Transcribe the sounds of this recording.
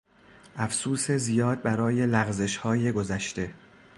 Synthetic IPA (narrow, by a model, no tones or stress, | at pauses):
ʔæfsuːse̞zijɒːd̪̚bæɾɒːje̞læɣze̞ʃhɒːjeɡo̞zæʃt̪e̞